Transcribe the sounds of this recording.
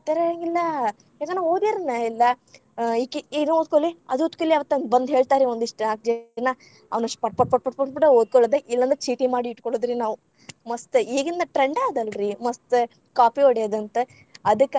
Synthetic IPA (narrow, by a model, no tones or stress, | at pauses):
t̪ɐɾɐŋɡilːɐ | eɡɐnoːd̪eɾɐnailːɐ | ikːid̪uoːd̪̚koɭːiɐd̪oːd̪kolːiɐʋɐt̪ːɐnbɐnd̪ɦeːɭt̪aːɾeond̪iʂʈnaːk̚d͡ʒɐna | ɐ̰ʋnɐʂpɐʈ̚pɐʈ̚pɐʈ̚pɐʈ̚pɐʈpɐʈeoːd̪̚kɔɭːɐd̪eʔilːɐnd̪ɐt͡ʃiːʈimaːɽiːʈkoɭod̪ɾiːnaːʋu | mɐst̪ɨeːɡind̪ɐʈɾeɳɖaːd̪ɐlɾimɐst̪ | kaːpioɽejɐd̪ɐnt̪ɨ | ɐd̪ɨkː